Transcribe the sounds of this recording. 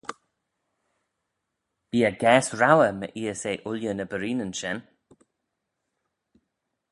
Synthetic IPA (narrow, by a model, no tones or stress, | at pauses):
b̥iːəɡɛːsɹawəmə̰ʔiːɛseːʔʊljənəbəɾiːnənʃɛn